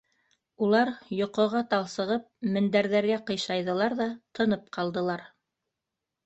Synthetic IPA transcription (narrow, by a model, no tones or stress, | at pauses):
ulˠɑɾjŏqɤ̆ʁɑt̪ɑlˠsɤ̆ʁɤp̚mɘ̆nd̪æɾðæɾɡæqɤ̆jʃɑjðɤ̆lˠɑɾðɑt̪ʰɤ̆nɤp̚qʰɑlˠd̪ɤ̆lˠɑɾ